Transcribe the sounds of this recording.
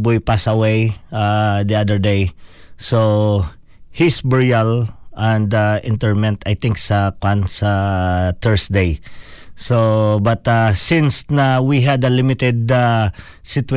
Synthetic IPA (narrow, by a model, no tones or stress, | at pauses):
bujpasɐwejad̪iad̪əɹd̪ej | so | hisbɛɹjalʔɛ̃nd̪aʔɪ̃nt̪ɛɹmɛ̃nt̪ajt̪ɪ̃ŋksɐkwãnsɐt̪ɛɹsd̪ejsobɐt̪asɪ̃nsnɐwiɦɐd̪ɐlɪmɪt̪ɛd̪̚a | sɪt̪w